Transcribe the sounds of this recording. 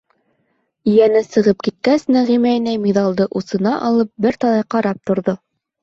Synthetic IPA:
ĭjænɘsɤ̆ʁɤp̚kit̪̚kæsnɘʁimæjnæjmiðɑlˠd̪ɤʔusɤ̆nɑʔɑlˠɤp̚bɘɾt̪ɑlˠɑjqɑɾɑp̚t̪ŏɾðo

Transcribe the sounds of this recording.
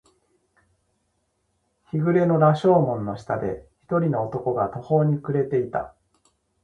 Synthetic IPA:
çiɡɯ̟ɾe̞no̞ɾaɕo̞ːmõ̞nːo̞ɕi̥t̪ad̪e̞̰çi̥t̪o̞ɾʲino̞ːt̪o̞ko̞ɡat̪o̞ho̞ːɲ̟ikɯ̟ɾe̞t̪e̞it̪a̰

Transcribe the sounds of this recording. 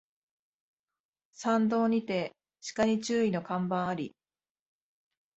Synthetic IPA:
sãnd̪o̞ːɲ̟it̪e̞ | ɕi̥kaɲ̟it͡ɕɨːino̞kãmbãɰ̃aɾʲi

